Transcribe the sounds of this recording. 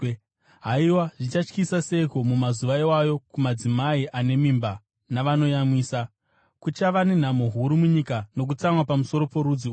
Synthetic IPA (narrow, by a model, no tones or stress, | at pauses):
ɦaiwaʐit͡ʃat͡ʃkisase̞komumazuʋaiwajo̞kumad͡zimaiʔane̞mimba | naʋano̞jamwiːsa | kut͡ʃaʋane̞n̤amo̞ɦuɾumuɲikano̞k̬ut͡samwapamuso̞ɾo̞po̞ɾud͡zi